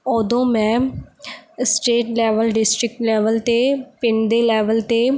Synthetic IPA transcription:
ɔːd̪õːmɛ̃ː | sʈeːʈlɛːʋəlɖɪsʈɾɪk̚ʈlɛːʋəlt̪epɪnd̪eːlɛːʋəlt̪eː

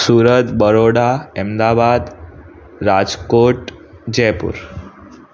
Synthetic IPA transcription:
suɾət̪bəɾoɽaɛmd̪abad̪ | ɾad͡ʒkoʈ | d͡ʑɛpṵɾ

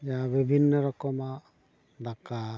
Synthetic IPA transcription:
jabibʱinːɔɾɔkɔma | d̪aka

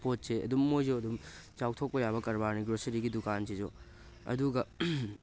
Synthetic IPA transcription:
pot̚seɐ̰dumːojzoɐdumt͡ʃaw̚tʰok̚pɐjaβɐkɐɾbaɾniɡɾosɐɾiɡidukansid͡ʒo̰ | ɐ̰duɡɐ

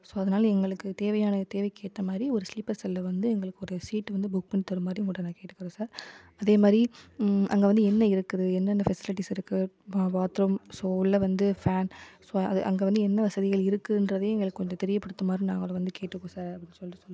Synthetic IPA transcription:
soːɐðɐnaːlɐɛŋɡɐɭɯkːɯt̪eːʋɐjaːnɐt̪eːʋɐɪkeːʈ̪ːɐmaːd̪ɾiɔɾɯslɪpːɐɾsɛlːɐʋɐnd̪ɯɛŋɡɐɭɯkːɯɔɾɯsiːʈːʋɐnd̪ɯbʊk̚pɐɳt̪ːɐɾɯmaːd̪ɾiŋkuɽɐnaːkeːʈːɯkːɪɾõːsaːɾ | ɐðeːmaːd̪ɾiʔɐ̰ŋɡeʋɐnd̪ɯɛnːɐɪɾɯkːɐðɯɛnːɛnːɐfɛsɪlɪʈ̬ːisɪɾɯkːɯ | ʋaːt̪ɾɐmsoːlɐʋɐnd̪ɯfaːnsoːɐðɯʔɐ̰ŋɡeːʋɐnd̪ɯɛnːɐʋɐsɐðɪɣɐɭɪɾɯkːɯndɾɐðejɛŋɡɐɭɯkːɯkɔɲd͡ʒot̪ɛɾɪjɐpːɐɽɯt̪ːɐmaːd̪ɾĩna̰ːŋɡɐɭɐʋɐnd̪ɯkeːʈːɯkːõːsaːɾɐpːɐɽɪnːɯsɔlrɯsɔlːɯ̃

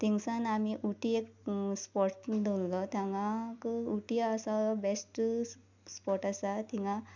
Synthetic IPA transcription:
t̪iŋsãnamiʔuʈiekspɔʈd̪ʱollɔt̪jãŋɡãkəuʈiaːsabesʈ | spɔʈasat̪ʰiŋɡã

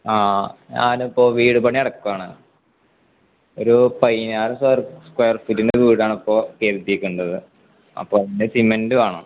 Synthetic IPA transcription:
aːɲa̰ːnipːo̞ːʋiːɽɨpɐɳiɐɽɐkːuʋaːɳɨ | oɾupɐjnaːɾusrskwejɐrfutːindeʋiːɽaːɳipːo̞ːkeːrt̪ːikʲːuɳɖɐðɨ | ɐ̰pːoːɐðindesimendɨaːɳo

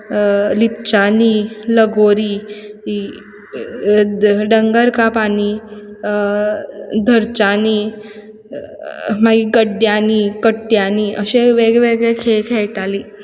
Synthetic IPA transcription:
lip̚t͡ɕaniːləɡoɾiː | ɖəŋɡəɾkapaniː | d̪ʱəɾt͡ɕaniː | maɡiɡəɖjaniːkəʈːjaniːʔəɕeʋeɡɭeʋeɡɭekʰekʰeɭʈaliː

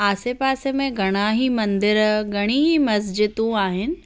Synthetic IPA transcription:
aːsepaːsemẽɡʱɐɽ̃aɦimɐ̃nd̪ɪɾɡʱɐɽ̃iːɦimɐs̬d͡ʑɪt̪ũaːɦɪnɪ̆

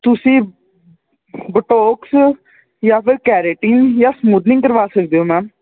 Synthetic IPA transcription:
t̪ʊsĩː | bəʈoːks | jaːpʰɪɾkɛːɾeːʈiːnjaːsmuːd̪nɪ̃ŋɡkəɾʋaːsəkd̪eːoːmɛ̃ː

